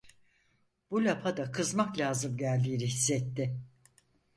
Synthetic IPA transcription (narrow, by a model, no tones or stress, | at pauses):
b̥ulʲapʰad̪akʰɯzmaklʲaːzɯmɟælʲd̪iːniɦisːɛt̪ːɪ